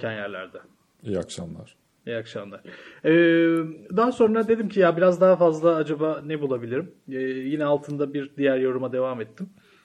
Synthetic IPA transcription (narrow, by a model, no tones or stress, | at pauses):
ænjæɾlʲæ̰ɾd̪ɛ | ija̰kʃa̰mlˠa̰ɾ̥ | ijakʃamlˠaɾ̥ɛːd̪aɦaso̞nɾad̪e̞d̪imcʰijabiɾazd̪aɦafazlˠaad͡ʒabanɛbulˠabilʲiɾimɛːjinɛalˠt̪ʰɯnd̪abiɾd̪ijæɾjo̞ɾumad̪e̞vamɛt̪ʰːim